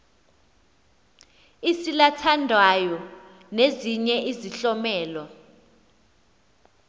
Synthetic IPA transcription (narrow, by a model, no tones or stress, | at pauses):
isilatʰandʱwajɔ | neziɲɛʔiziɬɔmɛːlɔ